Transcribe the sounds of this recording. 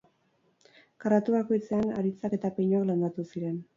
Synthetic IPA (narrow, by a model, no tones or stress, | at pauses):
karat̪uβako̞jt͡se̞ana̰ɾit͡sake̞t̪apejɲoakland̪at̪usiɾe̞n